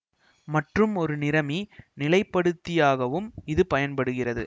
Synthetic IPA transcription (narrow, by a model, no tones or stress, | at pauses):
mɐʈrɯmɔɾɯnɪɾɐminɪlɐɪpːɐɽɯt̪ːɪjaːɣɐʋɯmɪðɯpɐjɐnpɐɽɯɣɪrɐðɯ̰